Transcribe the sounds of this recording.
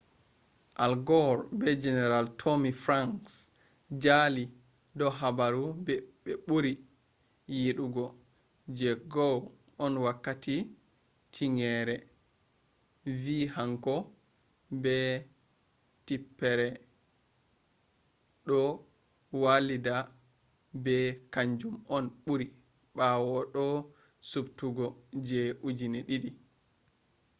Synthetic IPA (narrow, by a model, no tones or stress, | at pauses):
ʔalɡɔɾbɛd͡ʒɛnɛɾaltʰomifɾaŋks | d͡ʒali | dɔɦabaɾubɛɓɛɓuɾi | jiɗuɡɔ | d͡ʒɛɡɔwɔnwakːati | tʰiŋɛɾɛ | viːhaŋkɔ | bɛ | tipːɛɾɛ | ɗɔ | walida | bɛkaɲd͡ʒumɔnɓuɾi | ɓawɔɗɔ | subtuɡɔd͡ʒɛʔud͡ʒineɗiɗi